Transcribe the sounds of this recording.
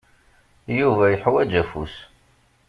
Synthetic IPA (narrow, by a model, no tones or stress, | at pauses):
juvæjəħwæd͡ʒæfṵs